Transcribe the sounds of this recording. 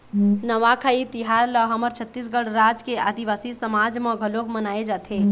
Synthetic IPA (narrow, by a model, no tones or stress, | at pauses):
nəʋakʰait̪iɦaɾləɦəməɾt͡ʃʰət̪ːisɡəɽɾad͡ʒkead̪iʋasisəmad͡ʒmẽɡʱəlokmənaed͡ʒat̪ʰe